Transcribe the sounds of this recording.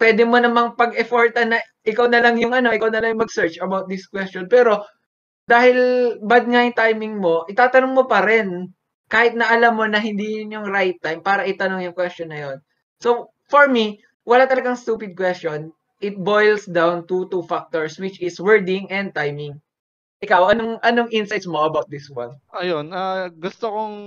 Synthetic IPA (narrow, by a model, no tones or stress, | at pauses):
pwɛːd̪ɛmo̞nɐmaŋpɐɡʔɛfoɹt̪ɐnːɐʔɪkawnɐlɐŋjʊŋʔɐno̞ʔɪkawnɐlɐŋjʊŋmɐɡsɛɹt͡ʃɐbawt̪̚d̪ɪskwɛst͡ʃɔnpɛːɾo̞ | d̪aːhɪlbɐd̪̚ŋajʊŋt̪ajmɪŋmo̞ʔɪt̪aːt̪ɐnoŋmopɐɾɛn | kaːhɪt̪̚nɐʔɐlamːo̞nɐɦɪnd̪iːjʊnjʊŋɾajt̪ːajmpaːɾɐʔɪt̪ɐnoŋjʊŋkwɛst͡ʃonːɐjo̞n | so | foɹmi | wɐlat̪ɐlɐɡaŋst̪uːpɪd̪̚kwɛstt͡ʃo̞n | ʔɪt̪̚bojlsd̪awnt̪ut̪ufak̚t̪oɹswɪt͡ʃɪswɛɹd̪ɪŋʔɛnd̪̚t̪ajmɪŋ | ʔɪkawʔɐnoŋʔɐnoŋʔɪnsajt̪smo̞ʔɐbawt̪̚d̪ɪswɐ̰nʔɐjonaɡʊst̪okoŋ